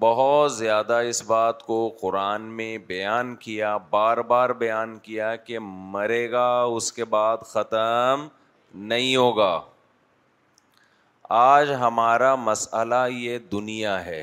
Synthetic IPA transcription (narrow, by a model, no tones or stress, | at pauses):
bɐɦʊt̪zjaːd̪aɪsbaːt̪koqʊɾaːnmẽbɐjaːnkijabaːɾbaːɾbɐjaːnkijakemɐɾeːɡaʊskebaːd̪xɐt̪əm | nɐɦĩɦoːɡaː | aːd͡ʒɦɐmaːɾamɐsəlajed̪ʊnijaɦɛː